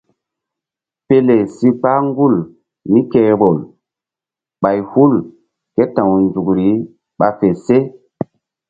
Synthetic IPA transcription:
pe˦le˨si˦k͡pa˦ŋɡu˦˨l | ni˦ke˦ɓo˨l | ɓa˨jhu˦l | ke˦tã˨wnzu˨kɾi˨˦ | ɓa˨fe˨se˦

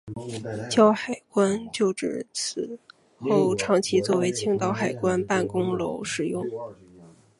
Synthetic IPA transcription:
t͡ɕjɑ˥ʊxa˨˩ɪkwa˥nt͡ɕjo˥˩ʊʈ͡ʂɻ̩˨˧˩t͡sʰɹ̩˨˩ | xo˥˩ʊʈ͡ʂʰɑ˧˥ŋt͡ɕʰi˧˥t͡swɔ˥˩we˧˥ɪt͡ɕʰi˥ŋt̪ɑ˥ʊxa˨˩ɪkwa˥npa˥˩nkʊ˥ŋlo˧˥ʊʂɻ̩˨˩jʊ˥˩ŋ

